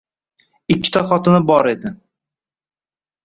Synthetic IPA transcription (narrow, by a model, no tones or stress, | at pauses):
ɪkʲːɪ̥t̪ʰaχɒt̪ɪnɪbɒɾe̞d̪ɪ